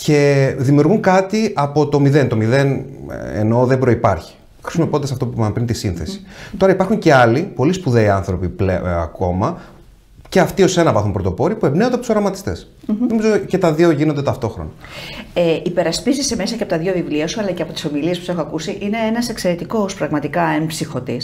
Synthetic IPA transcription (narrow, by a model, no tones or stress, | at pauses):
ce̞ðimiuɾɣuŋkɐt̪iʔɐpo̞t̪o̞miðe̞nt̪o̞miðe̞nḛno̞ðe̞bɾo̞ipɐ̰ɾçi̥ | xɾisumopo̞nd̪esɐft̪o̞pupint̪isinθe̞si̥t̪o̞ɾɐipɐɾxuɲce̞ɐlipo̞lispuðeiɐnθɾo̞pipleɐ̰ko̞mɐ | ce̞ɐft̪io̞se̞nɐvɐθumpɾo̞t̪opo̞ɾipuebnend̪ɐpot̪uso̞ɾɐmɐt̪i̥st̪e̞s | nomizoce̞t̪ɐðioʝinond̪e̞t̪ɐft̪o̞xɾo̞̰nɐeʔipe̞ɾɐspizise̞mesɐceɐpot̪ɐðʝovivliɐsuɐlɐceɐpo̞t̪i̥somiliespu̥se̞xoɐkusiʔine̞enɐse̞kse̞ɾe̞t̪iko̞spɾɐɣmɐt̪ikɐenpsixo̞t̪is